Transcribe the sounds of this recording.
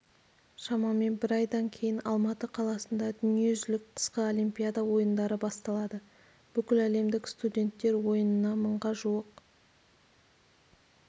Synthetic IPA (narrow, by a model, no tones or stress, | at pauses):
ʃɑmɑme̞nbɪɾɑjd̪ɑŋkʲʰe̞jɪnɑlˠmɑt̪əqʰɑlˠɑsənd̪ɑd̪ʏnije̞ʒɪlɪk̚q̪ʰə̥sqəo̞limpʲijad̪ɑwo̞jənd̪ɑɾəbɑst̪ɑlˠɑd̪ə | b̥ʏkʲɪlæle̞md̪ɪkst̪ud̪ʲe̞nt̪ːe̞ɾwo̞jənənɑməɴʁɑʒuwəq